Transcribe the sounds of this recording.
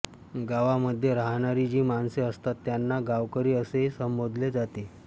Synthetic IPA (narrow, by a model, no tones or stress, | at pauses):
ɡaʋaməd̪ʱːjeɾaɦɳaɾid͡ʑiːmanseəst̪at̪ːjanːaɡaʋkəɾiːəseɦisəmbod̪ʱled͡zat̪e